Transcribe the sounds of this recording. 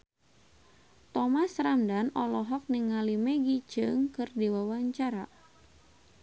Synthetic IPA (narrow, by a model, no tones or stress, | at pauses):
t̪ɔmasramdanɔlɔɦɔk̚niŋːalimeɡid͡ʒɨŋkɨrdiwawaɲt͡ʃaɾa